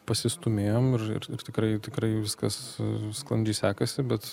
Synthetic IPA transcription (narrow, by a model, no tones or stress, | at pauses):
pɐsʲɪst̪ʊmʲeːjoːmɪrɪ̰rɪrt̪ʲɪkrɐɪt̪ʲɪkɾɐɪʋʲɪskɐssklˠɐnʲd͡ʒʲɛɪsʲæːkɐsʲɪbʲɛt̪